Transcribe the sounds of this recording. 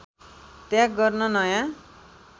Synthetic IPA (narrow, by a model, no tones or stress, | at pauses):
t̪jãkɡʌrnʌnʌjã